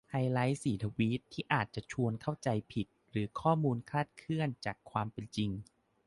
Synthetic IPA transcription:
haː˧jla˦˥jsiː˩˦t̪ʰa˧wiː˦˥t̪ʰːiː˥˩ʔaː˨˩t̪̚t͡ɕa˨˩t͡ɕʰu˧ənkʰa˥˩wt͡ɕa˧jpʰi˨˩t̪̚ɾɯː˩˦kʰɔː˥˩muː˧nkʰaː˥˩t̪̚kʰɯ˥˩ənt͡ɕaː˨˩kʰwaː˧mpe˧nt͡ɕi˧ŋ

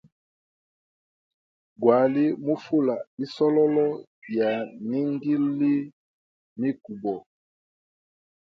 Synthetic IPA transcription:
ɡwa˨li˦mu˦fu˦la˨i˦sɔ˦lɔ˦lɔ˦ | ja˨ni˦ŋɡi˦li˦ | mi˦ku˨bɔ˨

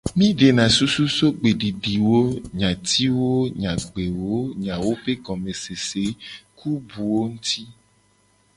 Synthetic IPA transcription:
mĩ˦ɖe˨nã˨su˦su˦so˦ɡ͡be˨ɖi˨ɖi˨wo˦ɲã˨t̪ʰi˦wo˦ɲã˨ɡ͡be˨wo˦ɲã˨wo˦ɸe˦ɡɔ˨me˨se˨se˨˦kʰu˦bu˨wo˦ŋũ˦t̪i˦

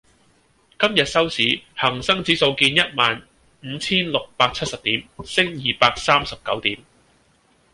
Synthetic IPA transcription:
kɐ˥mjɐ˨t̚sɐ˥wsiː˨˥hɐ˨˩ŋsɐ˥ŋt͡siː˨˥so˧wkiː˧njɐ˥t̚maː˨n | m̩˨˦t͡sʰiː˥nlʊ˨k̚paː˧k̚t͡sʰɐ˥t̚sɐ˨p̚t̪iː˨˥msɪ˥ŋjiː˨˩paː˧k̚saː˥msɐ˨p̚kɐ̰˨˥wt̪iː˨˥m

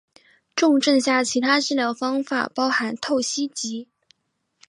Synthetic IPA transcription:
ʈ͡ʂʊ˥˧ŋʈ͡ʂɤ˥˧ŋɕja˥˩t͡ɕʰi˧˥t̪ʰa˥ʈ͡ʂɻ̩˥˧ljɑ˥˩ʊfɑ˥ŋfa̰˨˩pɑ˥ʊxa˧˥nt̪ʰo˥˩ʊɕi˥t͡ɕi˧˥

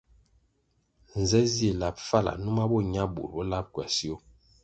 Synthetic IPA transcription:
n̩˨zɛ˦ze˦˨la˨p̚fa˦˨la̰˨nu˦ma˦bɔ˦ɲa˦bṵ˨lbɔ˦la˦p̚kwɛ̰˨si˦o˦

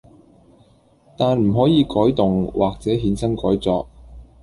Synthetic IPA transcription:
t̪aː˨nm̩˨˩ɦɔː˨˥jiː˨˧kɔː˨˥jt̪ʊ˨ŋwʔaː˨k̚t͡sɛː˨˥ɦiː˨˥nsɐ˥nkɔː˨˥jt͡sɔː˧k̚

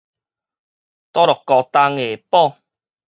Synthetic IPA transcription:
t̪ɔː˥lʊ˨kːɔː˧t̪aː˧ŋeː˨˩pɔː˥˩

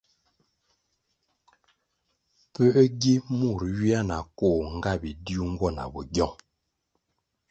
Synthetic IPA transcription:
pə˦ʔɡi˦mu˦˨ɾɥi˦a˦na˨koː˦˨ŋ̩˦ɡa˦˨bi˨di˦u˦ŋ̩˦ɡwɔ˦˨na̰˨bɔ˨ɡjɔ˦˨ŋ

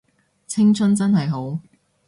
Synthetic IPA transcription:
t͡sʰɪ˥ŋt͡sʰɵ˥nt͡sɐ˥nhɐ˨jɦo˨˥w

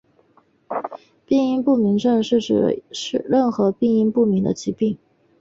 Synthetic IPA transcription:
pi˥˧ŋi˥˧pu˥˩mi˧˥ŋʈ͡ʂə˥˧ŋʂɻ̩˥˩ʈ͡ʂɻ̩˨˩ʂɻ̩˥˩ɻə˥˩nxɤ˧˥pi˥˧ŋi˥˧ŋpu˥˩mi˧˥ŋd̪ə̰˧t͡ɕi˧˥pi˥˩ŋ

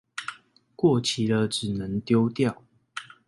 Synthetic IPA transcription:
kwɔ˥˨t͡ɕʰi˨d̪ə˧ʈ͡ʂɻ̩˨˩nə˨˦ŋt̪jo˦ʊt̪jɑ˥˨ʊ

